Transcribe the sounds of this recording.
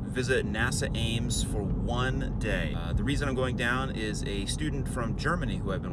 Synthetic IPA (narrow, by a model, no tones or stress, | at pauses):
vɪzɨtⁿnæsɨʔẽɪ̃mz̥fə˞wʌ̃n | deɪ | ðəɹizɨ̃nãɪ̃mɡoʊɪ̃ŋdãʊ̃nɪzɨstʉdⁿn̩tfɹʌ̃md͡ʒɜ˞mɨnihuævbɨ̃n